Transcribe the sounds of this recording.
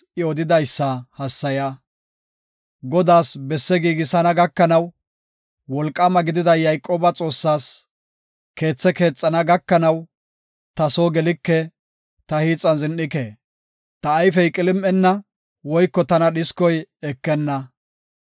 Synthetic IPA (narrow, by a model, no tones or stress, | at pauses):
ɪɔd̪ɪd̪ɐjsːɐhɐsːɐja | ɡɔd̪aːsbɛsːɛɡiːɡɪsɐnɐɡɐkːɐnɐw | wɔlkʼːɐmɐɡɪd̪ɪd̪ɐjɐjkʼːoːbɐt͡sʼo̞ːsːaːs | ke̞ːt͡sːɛke̞ːt͡sʼːɐnɐɡɐkːɐnɐw | t̪ɐsoːɡɛlɪkːɛ | t̪ɐhiːt͡sʼːɐnzɪnːɪkeː | t̪ɐːjfɛjkʼɪlɪmʔɛnːɐ | wɔjkːɔt̪ɐnɐɗɪskɔjɛkːɛnːɐ